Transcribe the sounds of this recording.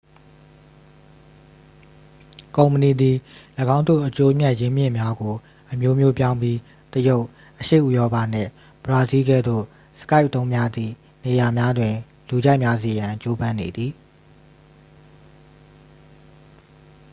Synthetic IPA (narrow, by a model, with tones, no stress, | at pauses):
kõ˨ʊ̃mpə˨ni˨d̪i˨ləɡã˦ʊ̃nd̪o̰˦˨ʔət͡ɕo˦m̥ja˦ʔjɪ̃˦mjɪ̰̃˦˨mja˦ɡo˨ | ʔəmjo˦mjo˦pjã˦ʊ̃mbji˦ | t̪əjo˦ʊʔ | ʔəʃe˦˨ʔu˨jɔ˦pa˦˨n̥ɪ̰̃˦˨ | b̥əɹa˦zi˦ɡɛ̰˦˨d̪o̰˦˨ | sə̥ka˦ɪʔt̪õ˦ʊ̃mja˦d̪ðḭ˦˨ | ne˨ja˨mja˦dwɪ̃˨ | lu˨d͡ʑa˦ɪʔmja˦ze˨jã˨t͡ɕo˦bã˦ne˨d̪ði˨